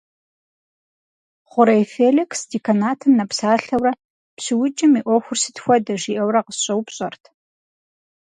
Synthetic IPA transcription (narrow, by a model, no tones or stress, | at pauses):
χʷʊɾɐjfeːlɪksdikʰɐnaːtʰɐmnɐpsaːɬɐwɾɐ | pɕɨwʊt͡ʃʼɪmiʔʷɔxʷʊrsɨ̥txʷɔdɐʒiːʔɐwrɐqəsɕʼɐwpɕʼɐrtʰ